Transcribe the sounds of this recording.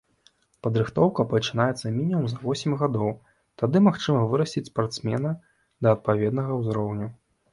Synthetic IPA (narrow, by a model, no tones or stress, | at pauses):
pɐd̪ɾɨxt̪ɔwkɐpɐt͡ʂɨnajɛt̪sːɐmʲinʲimumzɐvɔsʲɪmʲɣad̪ɔw | t̪ad̪ɨmaxt͡ʂɨmɐvɨɾɐsʲtʲit͡sʲspart̪smʲɛnɐ | d̪ɐːt̪̚pavʲɛd̪nɐɣɐwzɾɔwnʲu